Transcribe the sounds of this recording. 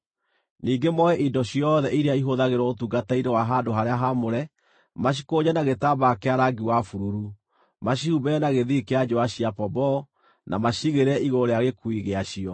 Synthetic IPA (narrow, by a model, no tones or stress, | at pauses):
niːɡemɔɛʔindɔɕiɔðɛʔiɾeaiɦoðaɣeɾwɔotuɡatainewaɦadoɦaɾeaɦamoɾɛ | maɕ̬i̥koɲanaɣetabakeaɾaɡiwafuɾuɾu | maɕihubɛnaɣeðikead͡ʒɔwaɕiapɔbɔ | nʔa̰maɕiɣeɾɛʔiɣoɾeaɣekuiɣeaɕiɔ